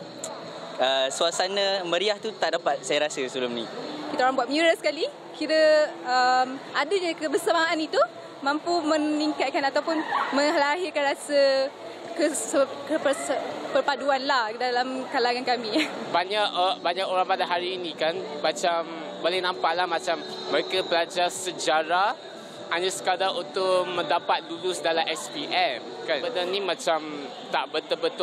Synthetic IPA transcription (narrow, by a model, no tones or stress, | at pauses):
əsuasanə̃mə̃ɾiaht̪ut̪aʔdapat̪̚sajaɾasəsəbəlʊmnikit̪aoɾaŋbuat̪̚miuɾasə̥kali | kiɾəəmadəɲakəbərsamaʔanit̪u | mãmpumə̃niŋkat̪̚kanat̪awpʊnmə̃ŋalaɦirkanɾasə | kəsəkəpəpərpaduanlahdalamkalaŋankamĩbaɲaʔbaɲakoɾãŋpadaɦaɾiːnĩkanmat͡ʃambolɛhnampalahmat͡ʃamːəɾekabəlad͡ʒasəd͡ʒaɾa | aɲasə̥kadaunt̪ʊʔmə̃ndapat̪̚dulʊsdalaʔɛspiʔɛm | kanbədanĩmãt͡ʃam | t̪aʔbət̪əbət̪ʊ